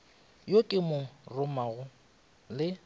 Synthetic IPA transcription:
jokʼɪmʊrʊmaɣʊ | lɪ

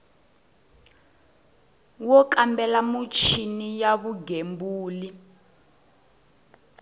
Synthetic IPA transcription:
wɔkambɛlamut͡ʃʰinijaβuɡembuːli

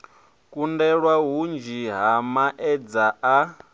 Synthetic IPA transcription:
kʼundɛɺwaɦund͡ʒiɦamaʔɛd͡zaʔa

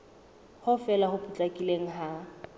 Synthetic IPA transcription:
hʊfɛlahʊpʰʼut͡ɬʼakʼileŋ̩ɦa

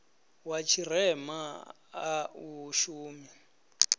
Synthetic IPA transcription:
wat͡ʃʰirɛma | auʃuːmi

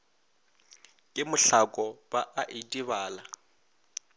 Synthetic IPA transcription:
kʼɪmʊɬakʼɔbaʔaʔitʼiβaːla

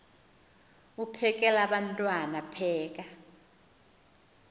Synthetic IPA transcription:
upʰɛk̬ʼɛlaɓantʼwanapʰɛːk̬a

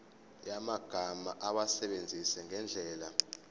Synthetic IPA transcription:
jamaɡ̥ʱamaʔaɓasɛɓend͡zʱisɛŋʱɛnd͡ɮʱɛːla

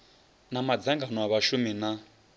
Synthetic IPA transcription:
namad͡zaŋɡanɔaβaʃumina

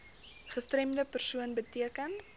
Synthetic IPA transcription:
χəstrɛmdəpərsuənbətiəkən

